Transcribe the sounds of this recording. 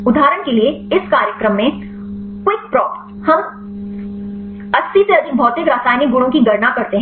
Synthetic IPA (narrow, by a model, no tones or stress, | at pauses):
ʊd̪ʱaːɾəɳ̃kelieɪskaːɾjəkɾəmːẽ | kwɪk̚pɾɔːp | hɐm | ɐsːiseɐd̪ibʱɔːt̪ekɾaːsaːɪniɡʊɽ̃õkiɡɐɾnakɐɾt̪eɦɛ̃